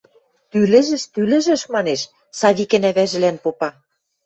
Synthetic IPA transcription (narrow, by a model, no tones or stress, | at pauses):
t̪ylɘ̆ʒɘ̆ʃt̪ylɘ̆ʒɘ̆ʃmɑneʃ | sɑβikɘ̆næβæʒɘ̆lænpopɑ